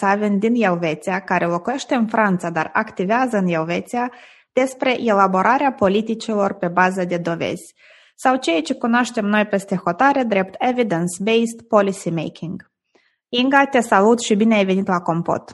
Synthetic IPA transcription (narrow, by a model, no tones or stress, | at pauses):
savend̪injelve̞t̪siakaɾʔelo̞kuje̞ʃt̪e̞ɨnfɾant̪sad̪a̰rakt̪iveazəɨnjelve̞t̪sia | d̪̥e̞spɾe̞ʔelabo̞ɾaɾeapo̞lit̪it͡ʃilo̞rpe̞bazəd̪e̞d̪o̞ve̞̰z̥ʲ | sawt͡ʃe̞jat͡ʃe̞kunoaʃt̪e̞mno̞jpe̞st̪e̞xo̞t̪aɾed̪ɾe̞p̚t̪ʰe̞vid̪ənsbejst̪po̞lisimḛjkʲʰiŋɡ | iŋɡat̪e̞salut̪ʃibineajve̞nit̪lako̞mpo̰t̪